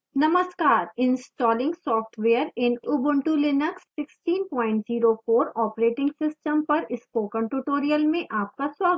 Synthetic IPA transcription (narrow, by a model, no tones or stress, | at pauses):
nɐməskaːɾɪ̃nsʈɔːlɪ̃ŋɡsɔːfʈʰʋeːəɾɪnubə̃ɳʈulɪnəkssɪksʈiːnpɔ̃ːɪ̃ɳʈziːɾofoːɾɔːpɾeːʈɪ̃ŋɡsɪsʈəmpɐɾɪskoːkə̃ɳʈuʈoːɾijəlmẽʔaːp̚kaswaːɡ